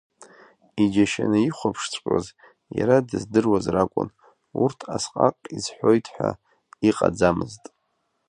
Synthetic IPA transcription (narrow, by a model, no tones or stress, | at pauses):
id͡ʒaʃanɨiχʷapʰʂt͡sʷʰʼqʲʷʼaz | jaɾadɨzdɨrwazrakʷʼʊ̰n | urtʰasqʼaqʼizħʷojtʰħʷᶣa̰ | iqʼad͡zamɨztʼ